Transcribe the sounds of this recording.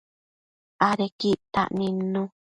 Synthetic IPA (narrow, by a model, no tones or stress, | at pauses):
aɾekiʔt̪a̰ʔnĩnũ